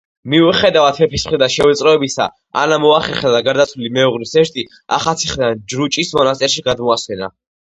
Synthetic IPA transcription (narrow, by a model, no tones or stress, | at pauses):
miuχɛd̪avat̪hɛpʰismχɾid̪anʃɛvɛt̪sʼɾɔɛbisa̰ | a̰namɔaχɛχad̪aɡaɾd̪at̪sʰvilimɛuʁlisɛʃt̪ʼi | a̰χat̪sʰiχd̪and͡ʒɾut͡ʃʼismɔnast̪ʼɛɾʃiɡad̪mɔaswɛna̰